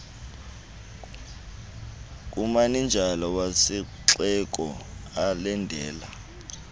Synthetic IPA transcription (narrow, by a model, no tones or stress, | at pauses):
k̬ʼumanind͡ʒʱalɔwasiǁɛk̬ʼɔ̰alɛndʱɛːla